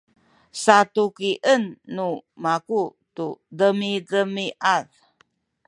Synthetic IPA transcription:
satukiʔənːumakutudəmidəmiʔað

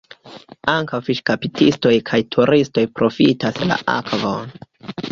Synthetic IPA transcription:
aŋkawfiʃkapitisto̞jkʰajtʰuɾisto̞jpɾo̞fitasla̰ʔa̰kvon

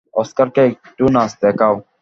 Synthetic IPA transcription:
ɔːskəɾkek̚ | ʈuːnaːsd̪eːkaːw

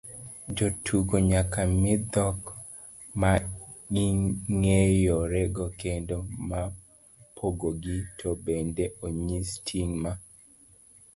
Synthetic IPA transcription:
d͡ʒotʰuɡoɲakamɪd̪ɔk | maiŋejoɾeɡokendoma | pʰoɡoɡitʰobendeoɲistʰiŋma

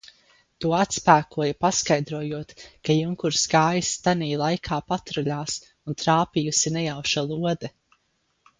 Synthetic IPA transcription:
t̪uɔat̪spæːkuɔjapaskajd̪ɾuɔjuɔt̪kajuŋkuɾsɡaːjsːt̪aniːlˠajkʰaːpat̪ɾɔʎʲaːs | unt̪ɾaːpijusinɛjawʃalˠuɔd̪ɛ

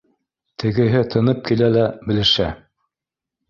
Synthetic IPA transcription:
t̪ʰɘ̆ɡɘ̆ɦɘt̪ʰɤ̆nɤp̚kilælæbɘ̆lɘ̆ʃæ

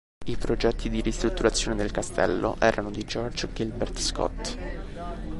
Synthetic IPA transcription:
ipɾod͡ʒɛt̪ːid̪iɾist̪ɾut̪ːuɾat̪sːjoːned̪elkast̪ɛ̰lːo̰ʔɛːɾʔanod̪id͡ʒɔrd͡ʒɡilbɛrt̪skɔ̰t̪ː

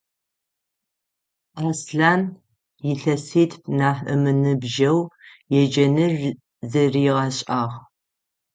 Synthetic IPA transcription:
aːsɬaːn | jɪɬɐsiːtʰnaːħɨ̰mɨnɨbʒɐwjɛd͡ʒɐnɨr | zɨriːʁɐɕʼaːʁ

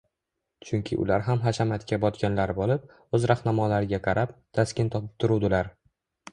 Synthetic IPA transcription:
t͡ʃʰʊŋkʲʰɪʔʊ̰laɾɦamɦaʃamat̪kʲabɒt̪kʲanlaɾbolˠɪp̚ | ɵzɾahnamɒlaɾɪɡʲaqʰɑɾʔap̚t̪ʰaskʲɪnt̪ʰɒpɪp̚t̪ʰʊɾud̪ɪlaɾ

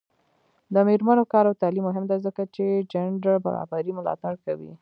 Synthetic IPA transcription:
d̪əmeɾmanokɑɾawt̪alimːʊɦɪmd̪azəkat͡ʃed͡ʒaɳɖaɾba̰ɾɑ̰baɾimʊlɑ̰t̪aɽkawḭ

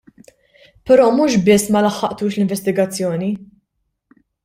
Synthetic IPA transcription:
pɛɾɔːmuːʃbɪsːmɐlɐħːɐʔt̪uːʃlɪɱvɛst̪ɪɡɐt͡sːjɔːni

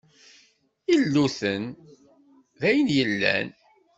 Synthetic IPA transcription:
ilːuθən | ðæjənjəlːæ̰n

